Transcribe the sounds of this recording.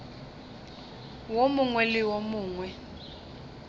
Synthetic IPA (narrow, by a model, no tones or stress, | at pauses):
womʊŋwɛlɪwomuːŋwɛ